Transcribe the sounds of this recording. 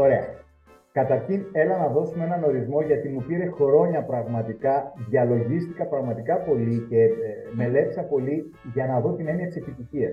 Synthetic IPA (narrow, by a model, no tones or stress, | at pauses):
o̞ɾe̞ɐ | kɐt̪ɐɾçine̞lɐnɐðo̞sumenɐno̞ɾizmo̞ʝɐt̪imupiɾe̞xoɾo̞ɲɐpɾɐɣmɐt̪ikɐðʝɐlo̞ʝist̪ikɐpɾɐɣmɐt̪ikɐpo̞lice̞me̞le̞t̪i̥sɐpo̞li | ʝɐnɐðo̞t̪ine̞niɐt̪i̥sepit̪içiɐs